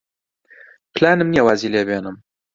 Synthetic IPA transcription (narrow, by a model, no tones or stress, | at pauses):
pʰlaːnɨmnijɐwaːziːleːbeːnɨm